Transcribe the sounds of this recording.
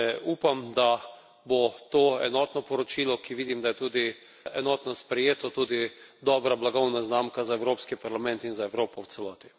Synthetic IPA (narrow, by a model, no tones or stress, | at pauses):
uːpamd̪a | bot̪oːɛ̰nɔːt̪nɔpɔɾɔt͡ʃiːlɔkiʋiːd̪imd̪ajɛt̪uːd̪i | ɛnɔːt̪nɔspɾɛjeːt̪ɔt̪uːd̪id̪ɔːbɾablaɡɔwnaznaːmkazaɛwɾoːpskipaɾlamɛ̃nt̪inzaɛwɾoːpɔwt̪sɛlɔːt̪i̥